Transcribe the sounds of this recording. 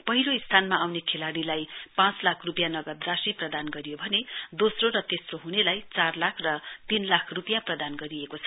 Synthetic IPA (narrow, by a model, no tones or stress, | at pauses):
pʌɦiloist̪ʰanmaawnekʰelaɽilajpãt͡slakʰrupjanʌɡʌd̪rasiprʌd̪anɡʌɾijobʱʌned̪osroɾʌt̪esroɦunelajt͡sarlakʰrʌt̪inlakʰrupjãprʌd̪anɡʌɾiekot͡sʰʌ